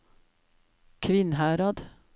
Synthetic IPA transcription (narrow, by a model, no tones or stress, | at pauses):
kʰʋɪnhæːɾɑd̪